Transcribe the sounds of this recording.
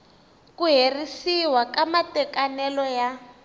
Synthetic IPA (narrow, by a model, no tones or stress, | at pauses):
kuɦerisiwakamatɛkanɛlɔja